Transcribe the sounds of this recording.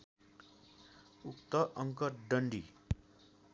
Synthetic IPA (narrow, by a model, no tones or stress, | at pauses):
ukt̪ʌʔʌŋkʌrɖʌɳɖi